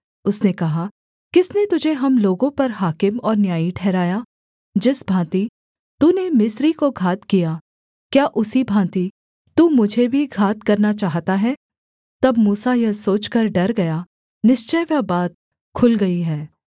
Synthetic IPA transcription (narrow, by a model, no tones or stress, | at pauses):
ʊsnekɐɦa | kɪsnet̪ʊd͡ʒʱeɦɐmloːɡõpɐɾɦaːkɪmɔːɾnjaːiʈʰɛːɾaːja | d͡ʒɪsbʱãːt̪i | t̪uːnemɪsɾikoɡʱaːt̪kija | kjaːʔʊsibʱãːt̪i | t̪uːmʊd͡ʒʱebʱiɡʱaːt̪̚kɐɾnat͡ʃaːɦt̪aɦɛː | t̪ɐbmuːsajɐsoːt͡ʃkɐɾɖɐɾɡɐja | nɪʃt͡ʃəjʋabaːt̪̚ | kʰʊlɡɐiɦɛː